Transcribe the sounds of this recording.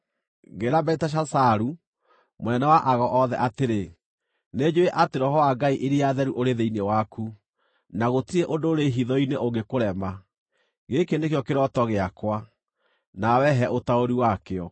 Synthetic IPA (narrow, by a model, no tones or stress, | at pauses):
ɡeɾabɛitaʃ̬asaɾu | monɛnɛwaʔaɣɔʔɔðɛ̰ʔateɾe | ned͡ʑoeʔateɾɔɦɔwaɡaiʔeɾiaðɛɾuʔoɾeðeinewaku | naɣotiɾeʔondoɾeɦiðɔineoŋɡekoɾɛma | ɣekenekjɔkeɾɔtɔɣeakwa | nawɛɦɛʔotaoɾiwakeɔ